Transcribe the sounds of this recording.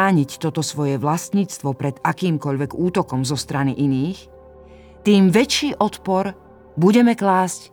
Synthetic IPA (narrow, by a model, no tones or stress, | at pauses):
aːɲict̪ɔt̪ɔsʋɔjɛʋlast̪ɲiːt͡st̪ʋɔpɾɛd̪̥akiːmkɔʎʋɛɡuːt̪ɔkɔmzɔst̪ɾaniʔiniːx | t̪iːmʋɛt͡ʃːiːʔɔt̪pɔɾ | buɟɛmɛklaːsc